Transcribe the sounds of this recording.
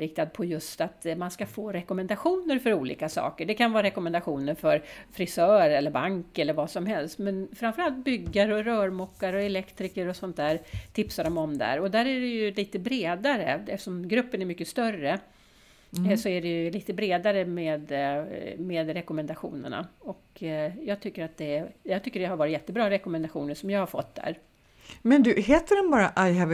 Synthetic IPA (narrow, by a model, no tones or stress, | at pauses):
ɾɪk̚t̪ad̪̚pʰɔjɵst̪at̪manskafoːɾɛkɔmɛnd̪aɧuːnəɾfœɾuːlḭːkasɑ̰ːkəɖɛkʰanvɑːɾaɾɛkɔmɛnd̪aɧuːnəɾfœɾfɾɪsœːɾɛlːəɾbaŋkɛlːəɾvasɔmhɛlst̪mɛnfɾamfœɾalt̪̚bʏɡːaɾɔɾœːɾmɔkːaɾɔɛlɛkt̪ɾɪkəɾɔsɔnt̪̚d̪æːɾt̪ʰɪpsaɖɔmɔmd̪æ̰ɾɔd̪æːɾæɖɛjɵliːt̪əbɾeːd̪aɾə̰ɛft̪əʂɔmɡɾɵpːənæɾmʏkːəst̪œrə | sɔæɖɛjɵliːt̪əbɾeːd̪aɾəmeːd̪ | meːd̪ɾɛkɔmɛnd̪aɧṵːnə̰ɳa̰ɔkjɑːɡ̚t̪ʰʏkːəɾat̪̚d̪ɛjɑːɡt̪ʰʏkːəɖɛhaɾvɑːɾɪt̪jɛt̪ːəbɾɑːɾɛkɔmɛnd̪aɧuːnənʂɔmjɑːɡhaɾfɔt̪ːd̪æ̰ɾ | mɛnd̪ɵɦeːt̪əɖɛnbɑːɾaʔajɛv